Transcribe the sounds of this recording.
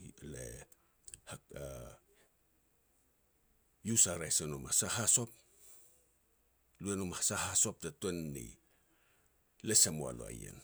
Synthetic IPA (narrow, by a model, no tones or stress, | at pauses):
lḛ | haka | jusaɾajsenomasahaso̞p̚ | luenomasahasop̚tatenːḭ | lesamoa̰lo̰a̰jḛn